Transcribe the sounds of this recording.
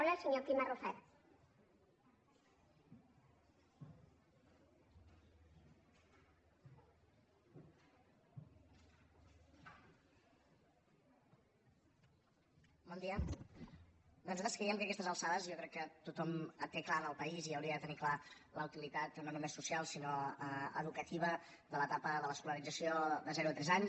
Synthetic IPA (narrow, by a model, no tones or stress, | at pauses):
ləsəɲopimarufɛt̪ | bɔnd̪iə | d̪ənuzat̪əskɾɛjəmkəkɛst̪əzəlˠsaðəzjɔkɾɛkːət̪ut̪ɔmət̪ːeklanəlˠpəiziəwɾiəðət̪əniklaləut̪ilit̪at̪nonumesːusialˠsinoəə̰ðukət̪iβ̞ə | d̪ələt̪apəðələskuləɾid͡zəsioðəzɛɾuət̪ɾɛzaɲs